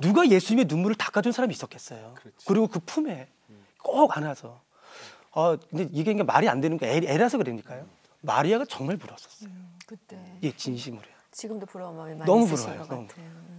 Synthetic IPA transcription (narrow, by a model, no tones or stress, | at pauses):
nuɡaje̞sʰuɲime̞nunmuɾɯɭtḁk͈adunsʰaɾamiːs͈ʌk͈ʰe̞s͈ʌjokɯɾiɡokɯpʰume̞ | k͈oɡanasʰʌ | akɯndeiɡe̞iŋɡema̰ɾia̰ndwe̞nɯnŋɡaeɾasʰʌkɯɾeɲik͈ajo | ma̰ɾiaɡat͡ɕʌŋmaɭmuɾʌs͈ʌ̥s͈ʌjo | je̞t͡ɕinɕʰimɯɾuat͡ɕiɡɯmdopuɾnʌmupuɾʌajonʌmupu